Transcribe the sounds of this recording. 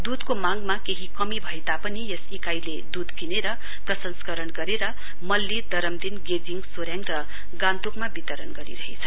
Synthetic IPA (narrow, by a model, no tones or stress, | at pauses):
d̪ud̪komaŋɡmakeɦikʌmibʱʌet̪apʌnijʌsikajled̪ud̪kineɾʌ | prʌsʌnskʌɾʌnɡʌɾeɾʌ | mʌlːid̪ʌɾʌmd̪inɡed͡ziŋɡsoɾjaŋrʌ | ɡãnt̪okmabit̪ʌɾʌnɡʌɾḭɾʌɦet͡sʰʌ